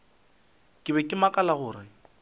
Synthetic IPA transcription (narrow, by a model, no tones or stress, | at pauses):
kʼɪbɛkʼɪmakʼalaɣʊːɾɪ